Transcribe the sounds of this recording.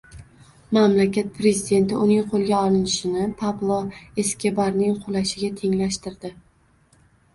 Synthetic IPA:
mamlakʲat̪̚pʰɾe̞zid̪e̞nt̪ɪʊnɪŋqʰolˠɡʲaɒlɪnɪʃɪnɪpʰaplˠoe̞skʲe̞baɾnɪŋqʰolaʃɪɡʲat̪ʰe̞ŋlaʃt̪ɪɾd̪ɪ

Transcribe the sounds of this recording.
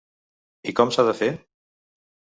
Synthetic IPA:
ikɔmsaðəfe

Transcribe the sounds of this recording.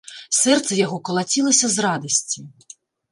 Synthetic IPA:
sɛrt̪sɛjɔɦɔkɔlˠɐtʲilˠɐsʲɐzrɑd̪ɐsʲtʲi

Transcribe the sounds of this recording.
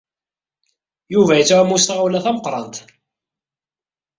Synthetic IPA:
juvæjət͡sːmːust̪ʁawlæθæməqɾˤɑnt̪

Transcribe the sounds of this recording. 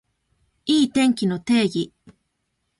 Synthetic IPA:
iːt̪eŋkinot̪eːji

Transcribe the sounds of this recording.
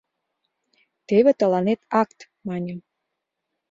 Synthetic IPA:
t̪eβet̪ə̆lɑnet̪ɑkt̪ | mɑnʲəm

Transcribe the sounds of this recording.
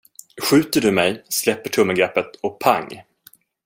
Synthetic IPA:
ɧʉ̟ːt̪əɖɵmɛjslɛpːəʈʰɵmːəɡɾɛpːət̪ɔk̚pʰa̰ŋː

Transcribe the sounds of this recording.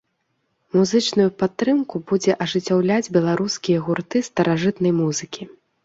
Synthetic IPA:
muzɨt͡ʂnujupat̪ːɾɨmkubud͡zʲɛʔɐʐɨt͡sʲːawlʲad͡zʲbʲɛlˠaɾuskʲijɐɣurt̪ɨst̪ɐɾaʐɨt̪nɐjmuzɨkʲi

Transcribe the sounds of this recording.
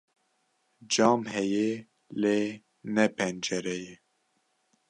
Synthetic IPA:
d͡ʒɑːmhɛje | leː | nɛpʰɛnd͡ʒɛɾɛjɛ

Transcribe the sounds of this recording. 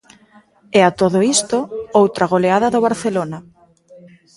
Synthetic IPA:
ɛat̪oðoist̪oowt̪ɾaɣ̞oleaðaðoβaɾθelonɐ

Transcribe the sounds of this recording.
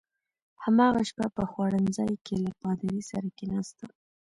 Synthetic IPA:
hamɑɣaʃpapəxwɑɽənzɑjkelapɑd̪aɾisaɾakenɑst̪a

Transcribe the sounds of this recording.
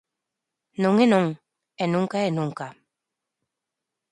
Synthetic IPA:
noŋenõŋ | enũŋkaenũŋka

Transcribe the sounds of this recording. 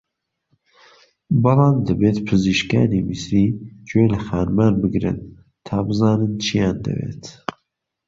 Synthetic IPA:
bɑlɑːmd̪ɨbeːt̪pʰɨziʃkɑ̰ːniːmisɾiːd͡ʒoːləxɑːnmanbɨɡɾɨ̰n | t̪ʰɑːbɨzɑːnɨnt͡ʃʰijɑːnd̪ɨ̰vḛːt̪

